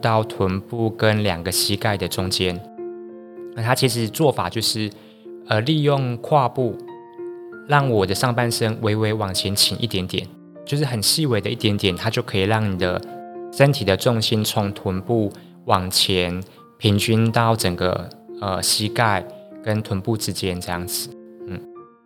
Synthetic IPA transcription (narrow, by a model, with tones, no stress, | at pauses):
t̪ɑ˥˩ʊt̪ʰwə˧˥npu˥˧kə˦nljɑ̰˨˩ŋɡə˦ɕi˥ka˥˩ɪd̪ə˩ʈ͡ʂʊ˦˥ŋt͡ɕjɛ˦n | na˥˩t̪ʰa˦˥t͡ɕʰi˧˥ʂ̬ɻ̩˧˦t͡swɔ˥˩fa˨˩t͡ɕjo˥˧ʊʂɻ̩˥˩ | ə˨li˥˧jʊ˥˧ŋkʰwa˥˧pu˥˩ | lɑ˥˩ŋwɔ˨˩d̪ə˦ʂɑ˥˧ŋpa˥˧nʂə˥ŋwe˧˥ɪwe˧˥ɪwɑ˨˩ŋt͡ɕʰjɛ˧˦nt͡ɕʰi˨˩nʔi˥˩t̪jɛ˧˥nt̪jɛ̰˨˩˦n | t͡ɕjo˥˧ʊʂ̬ɻ̩˥˩xə˨˩nɕi˥˧we˧˥ɪd̪ə˧ʔi˥˩t̪jɛ˧˥nt̪jɛ˨˩nt̪ʰa˦˥t͡ɕjo˥˩ʊkʰɤ˧˥i˨˩ɻɑ˥˩ŋni˨˩d̪ə̰˦ʂə˦˥nt̪ʰi˨˩d̪ə˩ʈ͡ʂʊ˥˧ŋɕi˥nt͡sʰʊ˧˦ŋt̪ʰwə˧˥npu˥˩ | wɑ˨˩ŋt͡ɕʰjɛ˧˦n | pʰi˧˥ŋt͡ɕy˥nt̪ɑ˥˩ʊʈ͡ʂə˨˩ŋɡə̰˦ə˧ɕi˥ka˥˩ɪkə˦nt̪ʰwə˧˥npu˥˧ʈ͡ʂɻ̩˦t͡ɕjɛ˦nʈ͡ʂɤ˥˧jɑ̰˥˩ŋd͡zɹ̩˨˩˦n̩˥˩